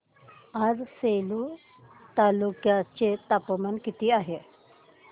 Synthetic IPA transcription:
ad͡zselu | t̪alukjat͡set̪apəmənkit̪iːaɦe

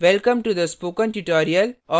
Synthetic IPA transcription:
ʋɛlkɐ̃mʈud̪əspoːkə̃nʈuʈɔːɾiɐlɔ

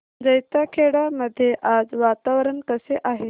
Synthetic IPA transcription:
d͡zəjt̪akʰeɽaməd̪ʱjeʔad͡zʋat̪aʋɾənkəseʔaɦe

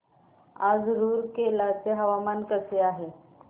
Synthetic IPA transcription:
ad͡zɾuːɾkelat͡seɦəʋamankəseaɦe

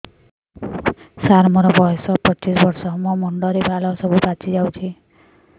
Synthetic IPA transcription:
saɾmɔɾɔbɔesɔpɔt͡ʃisbʌɾsɔmɔmɔɳɖɔɾebʱalɔsɔbʱubat͡sid͡ʒawt͡ʃʰi

